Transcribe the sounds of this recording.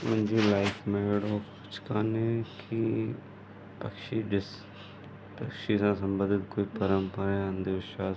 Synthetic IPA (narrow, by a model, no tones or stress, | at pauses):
mənd͡ʒiːlaɪfʰmeɽoːkʊt͡ʃʰkaːneːkʰi | pəkʃiːɖɪs | pəkʃiːsãːsəmbəd̪ɪt̪koːiːpəɾəmpəɾaãːnd̪eɪʃaːs